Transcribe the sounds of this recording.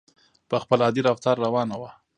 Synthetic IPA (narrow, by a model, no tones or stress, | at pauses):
pəxpəlɑd̪iɾaft̪ɑɾːawɑnawa